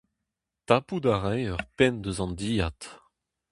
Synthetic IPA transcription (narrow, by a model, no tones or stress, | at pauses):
t̪apud̪aʁɛjœʁpɛnd̪əzɑ̃nd̪iːat̪